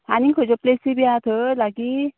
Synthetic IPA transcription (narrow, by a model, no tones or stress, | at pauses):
aniŋkʰəd͡ʑɔplesibiat̪ʰəlaɡi